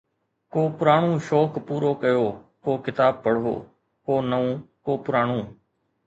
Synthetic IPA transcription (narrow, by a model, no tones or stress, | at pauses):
koːpʊɾaːɳũːʃoːkpuːɾoːkəjoːkoːkɪt̪aːb̚pəɽ̤ɦo̰ː | koːnəũːkoːpʊɾaːɳ̃ũː